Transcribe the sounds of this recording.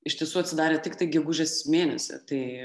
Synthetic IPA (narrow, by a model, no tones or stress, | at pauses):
ɪʃt̪ʲiɛsuːɐt̪ʲsʲɪd̪ɑːɾʲeːt̪ʲɪkt̪ɐɪɡʲɛɡʊʒʲeːsmʲeːnʲɛ̰sʲɛ̰t̪ɐɪ